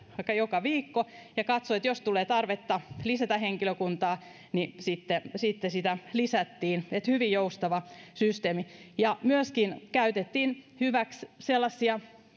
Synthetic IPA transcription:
ʋɑikːɑjokɑʋiːkːo | jɑkɑt̪soet̪jost̪uleːt̪ɑrʋet̪ːɑlisæt̪æheŋkiløkunt̪ɑː | nisit̪ːesit̪ːesit̪ælisæt̪ːiːnet̪hyʋijjoust̪ɑʋɑsyst̪eːmijɑmyøskinkæyt̪et̪ːiːnhyʋæksselːɑsːiɑ

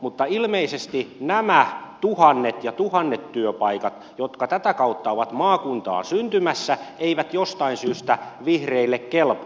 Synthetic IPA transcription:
mut̪ːɑilmeisest̪inæmæt̪uhɑnːet̪jɑt̪uhɑnːet̪tyøpɑikɑt̪ | jot̪kɑt̪æt̪ækɑut̪ːɑoʋɑt̪mɑːkunt̪ɑ̰ːnsynt̪ymæsːæeiʋæt̪jost̪ɑinsyːst̪æʋihreilːekkelp

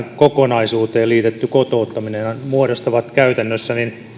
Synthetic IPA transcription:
kokonɑisuːt̪eːliːt̪et̪ːykot̪oːt̪ːɑminenɑnmuodost̪ɑʋɑt̪kæyt̪ænːøsːænin

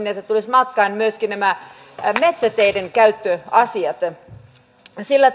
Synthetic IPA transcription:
niet̪ːæt̪ulismɑt̪kɑinmyøskinæmæ | met̪sæt̪eideŋkæyt̪ːøɑsiɑt̪ | silːæ

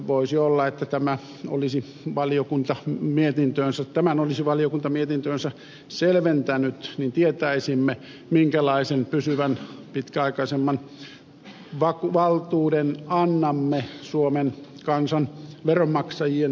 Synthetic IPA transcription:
ʋoisiolːɑet̪ːæt̪æmæ | o̰lisi | ʋɑliokunt̪ɑmiet̪int̪øːnsæt̪æmænolisiʋɑlijokunt̪ɑmiet̪int̪øːnsæ | selʋent̪ænyt̪nint̪iet̪æisimːe | miŋkælɑisenpysyʋænpit̪kæɑikɑisemːɑn | ʋɑkuʋɑlt̪uːdenɑnːɑmːesuomenkɑnsɑnʋerommɑksɑjien

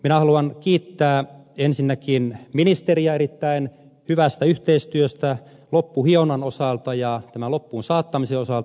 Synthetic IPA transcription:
minæhɑluɑnkiːt̪ːæː | ensinːækinminist̪eriɑeɾit̪ːæin | hyʋæst̪æyht̪eist̪yøst̪æ | lopːuhienɑnosɑlt̪ɑjɑt̪æmælopːuːnsɑːt̪ːɑmiseosɑlt̪

